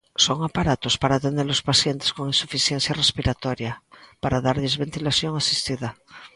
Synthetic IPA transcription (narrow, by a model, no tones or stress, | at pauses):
soŋapaɾat̪ospaɾaːt̪end̪eɾlospaθjent̪e̥skoŋinsufiθjen̟θjarespiɾat̪ɔɾjapaɾaðaɾʎezβent̪ilaθjoŋasist̪iða